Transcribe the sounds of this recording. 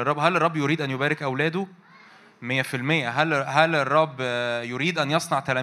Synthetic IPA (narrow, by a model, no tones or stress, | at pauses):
rˤːɑbːɦælerˤːɑbːjoɾiːd̪ʔænjobæːɾekʔæwlæːd̪o | mejːæfilmejːæɦælɦælerˤːɑbːjoɾiːd̪ʔænjɑsˤnɑʕt̪ælæ